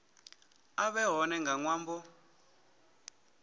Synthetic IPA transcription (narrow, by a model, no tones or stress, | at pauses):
aβɛɦɔnɛŋɡaŋwaːmbɔ